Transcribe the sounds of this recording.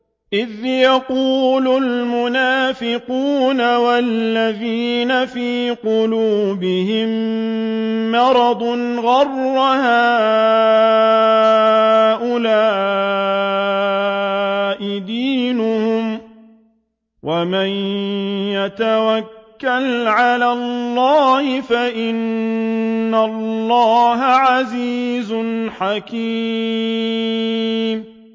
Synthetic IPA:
ʔɪðjaquːlʊlmʊnaːfɪquːnawalːaðiːnafiːqʊluːbɪhɪm | ɑɾˤɑd̪ˤn | ɣɑrːhaː | ʔʊlaː | ʔɪd̪iːnʊhʊm | wamanjat̪awakːalʕalallːɑːhɪfaʔɪnː | alːɑːɦaʕaziːzʊnħakiː | m

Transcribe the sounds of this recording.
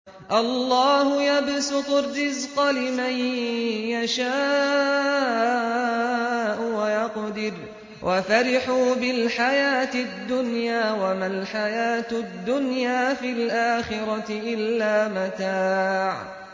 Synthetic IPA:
ʔɑlˤːɑːhʊjabsʊq̪ʊrːɪzqɑlɪmanjaʃaː | ʔʊwajɑqd̪ɪr | wʔafaɾɪħuːbɪlħajaːt̪ɪd̪ːʊnjaːwamalħajaːt̪d̪ːʊnjaːfilʔaːxɪɾɑɪʔɪlːaːmat̪aːʕ

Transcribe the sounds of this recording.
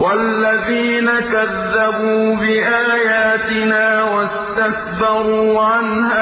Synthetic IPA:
walːaðiːnakaðːabuːbɪʔaːjaːt̪ɪnaːwast̪ak̚bɑɾuːʕanhaː

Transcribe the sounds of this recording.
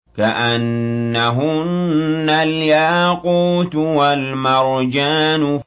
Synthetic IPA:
kaʔanːaɦʊnːaljaːquːt̪walmɑɾˤd͡ʒaːnʊ

